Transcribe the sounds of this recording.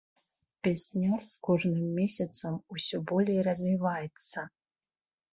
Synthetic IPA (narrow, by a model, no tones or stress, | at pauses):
pʲesʲnʲarskɔʐnɨmːʲesʲɐt̪sɐmusʲɔbɔlʲejrɐzvʲivajɛt̪sɐ